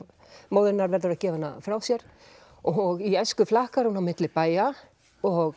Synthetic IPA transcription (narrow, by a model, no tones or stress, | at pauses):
moːwðɪnːaɾvɛɾðʏɾaðcɛːvanːafɾawsjɛɾ̥ | ɔɣiɛskʏflahkaɾ̥hunawmɪt̪lɪpaːja | ɔɣ